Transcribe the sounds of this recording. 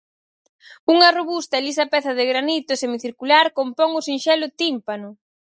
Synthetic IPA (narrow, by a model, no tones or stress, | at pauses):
uŋɐroβust̪ɐelisɐpɛθɐðɪɣɾanit̪ʊsemiθiɾkulaɾkompɔŋʊsinʃɛlʊt̪impanʊ